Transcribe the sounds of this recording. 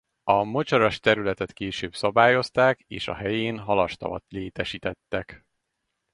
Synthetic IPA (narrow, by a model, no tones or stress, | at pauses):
ɒmot͡ʃɒɾɒʃt̪ɛɾylɛt̪ɛt̪keːʃøːbsɒbaːjo̞st̪aːkḛːʃɒ̰ɦɛjeːnɦɒlɒʃt̪ɒ̰vɒ̰t̪leːt̪ɛʃiːt̪ɛt̪ːɛk